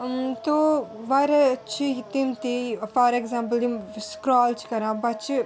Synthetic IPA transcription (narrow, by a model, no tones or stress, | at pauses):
t̪oʋaɾet͡ʃʰit̪imt̪ifaːɾeɡzãːmpəld̪imskɾɔːlt͡ʃʰi̥kɐɾãːbɐt͡ʃi